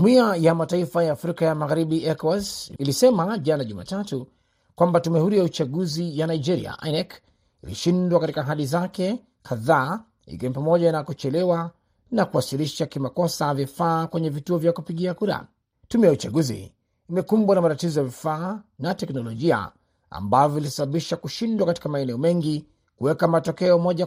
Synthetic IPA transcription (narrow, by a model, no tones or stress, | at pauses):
d͡ʒumiajamataifajaːfɾikajamaɣaɾiɓiʔɛkɔɛsilisɛmaʄanaʄuma̰tatu | kwambatumɛhuɾijaut͡ʃaɠuzijanaid͡ʒɛɾḭa̰ʔa̰nɛk | ḭlḭʃindwakatikaːɦaɗizakɛ | kʰaðaː | ḭkiwɛɲipamɔʄanakut͡ʃɛlɛwa | nakuwasiliʃakimakɔsavifaːkwɛɲɛvituɔvjakupiɠiakuɾa̰ | tumɛjaut͡ʃaɠuzḭ | imɛkumbwanamatatizɔjavifaːnatɛknɔlɔʄia̰ | a̰mbavɔilisaɓaɓiʃakuʃindwakati̥kamaɛnɛɔmɛŋɡi | kuwɛkamatɔkɛɔmɔʄa